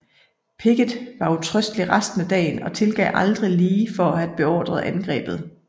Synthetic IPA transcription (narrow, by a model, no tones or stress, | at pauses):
pʰe̝ɡ̥ð̩ˠʋɑ̈ut͡sʰʁœsd̥liʁɑsd̥n̩æd̥ɛ̰ːnɒ̽t͡sʰe̝lɡ̥ɛ̰ːʔɑ̈ld̥ʁiliːfɒ̽æ̥b̥e̝ɒ̰ːd̥ʁɐð̩ˠʔænɡ̥ʁɛ̰ːb̥ð̞̩ˠ